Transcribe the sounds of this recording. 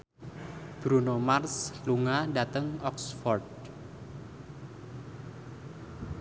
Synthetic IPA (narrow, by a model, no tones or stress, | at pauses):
b̥ɾunomarsluŋadat̪əŋɔksfɔrd̚